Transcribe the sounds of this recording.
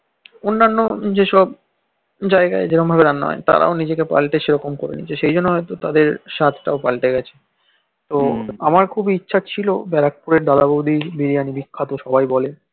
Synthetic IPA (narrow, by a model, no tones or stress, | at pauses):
onːanːod͡ʑeʃɔb | d͡ʑaeɡa̰ed͡ʑeɾombʱabeɾanːɔ̰et̪a̰ɾʔa̰onid͡ʑekepa̰lʈeʃeɾɔkomkoɾḛnḭt͡ɕʰeʃejd͡ʑonːoɦɔjt̪ot̪ad̪eɾʃat̪ʰʈaopa̰lʈeɡɛt͡ɕʰe̥ | t̪oamaɾkʰubiitːɕʰat͡ɕʰilobɛɾak̚puɾeɾd̪alabowd̪ʱibiɾijanibikʰːat̪oʃɔbajbɔle